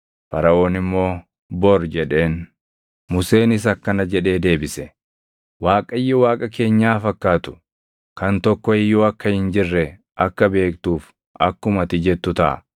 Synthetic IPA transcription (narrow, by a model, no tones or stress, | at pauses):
fɐɾɐʔo̞ːnɪmːo̞ː | bɔɾd͡ʒɛᶑe̞ːn | mʊse̞ːnɪs̬ɐkːɐnɐd͡ʒɛᶑe̞ːd̪e̞ːbɪsɛ | waːkʼɐjːɔwaːkʼɐke̞ːɲːaːfɐkːaːt̪ʊ̥ | kɐnt̪ɔkːɔɪjːoːɐkːɐhɪnd͡ʒɪrːɛ | ʔɐkːɐbe̞ːk̚t̪uːf | ɐkːʊmɐt̪ɪd͡ʒɛt̪ːʊt̪ɐ̰ʔɐ̰